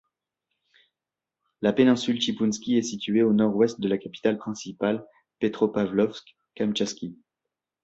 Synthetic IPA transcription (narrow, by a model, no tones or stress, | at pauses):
lapenɛ̃sylʃipunskʲiɛsit̪ɥeonɔʁwɛst̪̚d̪əlakapi̥t̪alpχɛ̃sipal | pet̪χopavlɔfsk | kamt͡ʃɛskʲi